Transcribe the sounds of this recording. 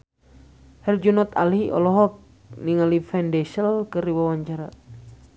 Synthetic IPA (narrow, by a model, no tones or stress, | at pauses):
hɛrd͡ʒunɔt̪a̰lɦiʔɔ̰lɔɦɔk̚ | niŋalifɛndɛsəlkəɾiwawaɲt͡ʃaɾa